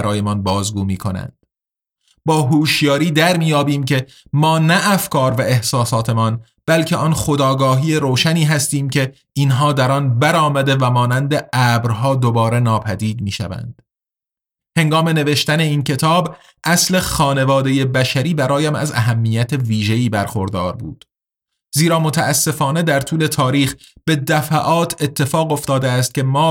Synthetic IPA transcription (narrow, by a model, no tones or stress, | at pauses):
ɾɒːjemɒnbɒːzɡuːmiːkʰo̞næ̰nd̪̥ | bɒːɦuːʃjɒːɾiːd̪æɾmiːjɒːbiːmcʰe̞ | mɒːnæʔːfkʰɒːɾvæe̞hsɒːsɒːt̪ʰe̞mɒn | b̥ælcʰeɒnχo̞d̪ɒːɡɒːɦiːeɾoːʃæniːɦæst̪iːmcʰe̞ | ʔinɦɒːd̪æɾɒnbæɾɒːmæd̪e̞væmɒːnænd̪eæbɾɦɒːd̪obɒːɾe̞nɒːpʰæd̪iːd̪miːʃæ̰væ̰nd̪̥ | he̞ŋɡɒːme̞ne̞ve̞ʃt̪æne̞iːncʰe̞t̪ʰɒːb | ʔæsle̞xɒːne̞vɒːd̪e̞je̞bæʃæɾiːbæɾɒːjæmæ̰zæ̰ɦæmːiːjæt̪ʰe̞viːʒe̞iːbæɾxo̞ɾd̪ɒːɾbṵːd̪̥ | ziːɾɒːmo̞t̪ʰæːsːe̞fɒːne̞d̪æɾt̪ʰuːle̞t̪ʰɒːɾiːxb̥e̞d̪æfæʔɒːt̪ʰe̞t̪ʰːe̞fɒːɣo̞ft̪ɒːd̪eæst̪̚cʲʰe̞mɒː